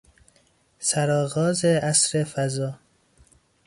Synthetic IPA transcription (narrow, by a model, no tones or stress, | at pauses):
sæɾɒːɣɒːzeʔæsɾefæzɒː